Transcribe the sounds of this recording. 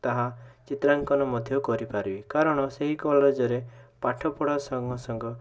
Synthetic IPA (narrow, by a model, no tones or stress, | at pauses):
t̪aɦat͡ʃit̪ɾaŋkɔnɔmɔd̪ʱjɔkɔɾipaɾbikaɾɔɽ̃ɔseɦikɔled͡ʒɔɾepaʈʰɔpɔɽasɔŋɡɔsɔŋɡɔ